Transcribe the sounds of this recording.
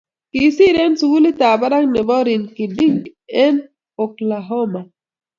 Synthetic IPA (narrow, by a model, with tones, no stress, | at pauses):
ki˨si˦ɾe˦nsu˨ɡu˦li˦t̪a˨ba˦ɾa˦ŋne˨bɔ˦ɾi˨nki˨di˦ŋɡ | ɛ˦n | o˨klaɦɔ˦ma˨